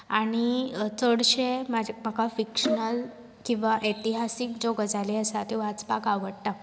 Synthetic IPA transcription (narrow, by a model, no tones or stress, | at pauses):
aɽ̃it͡səɽɕemamakafikʂənəl | kĩw̃ʋaʔet̪iɦasikd͡ʑoɡəd͡zʱaliəsat̪eʋat͡spakaʋəɽʈa